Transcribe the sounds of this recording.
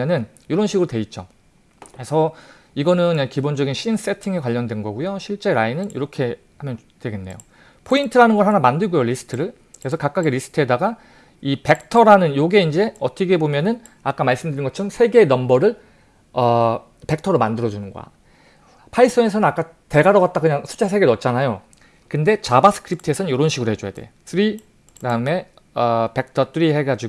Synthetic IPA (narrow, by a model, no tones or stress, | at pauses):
ʌnɯn | iɾʌnɕʰiɡɯɾotwe̞it̚t͡ɕ͈o | esʰʌ | iɡʌnɯnkibond͡ʑʌɡinɕʰins͈e̞tʰiŋekwaʎːʌndwe̞nɡʌɡujoɕʰiɭt͡ɕ͈e̞ɾainɯnḭɾʌkʰe̞ | hamjʌn | dwe̞ɡe̞nːe̞̰jo̰ | pʰointʰɯɾanɯnɡʌɭhanamandɯɭɡujoɾisʰɯ̥tʰɯɾɯɭ | kɾesʰʌkak̚k͈aɡiɾisʰɯ̥tʰɯɦedaɡa | ipe̞k̚tʰʌɾanɯnjoɡe̞ind͡ʑe̞ʌt͈ʌɡebomjʌnɯn | ak͈amaɭs͈ɯmdɯɾinɡʌt͡ɕʰɯɾʌmsʰe̞ɡe̞nʌmbʌɾɯɭ | ʌ | pe̞k̚tʰʌɾomandɯɾʌd͡ʑunɯnɡo̰a̰ | pʰais͈ʌne̞sʰʌnɯnak͈a | te̞ɡaɾʌɡat̚t͈akɯɲaŋsʰu̥t͡ɕ͈ʰas̬ʰe̞ɡenʌt̚t͡ɕ͈anajo | kɯnde̞t͡ɕabas͈ʰɯ̥kʰɯɾip̚tʰɯe̞sʰʌɯnjoɾʌnɕʰiɡɯɾoɦe̞d͡ʑoja̰de̞̰s͈ʰɯɾi | kɯdaɯme̞ | ʌpe̞k̚tʰʌt͈ʰɯɾiɦeɡad͡ʑiɡo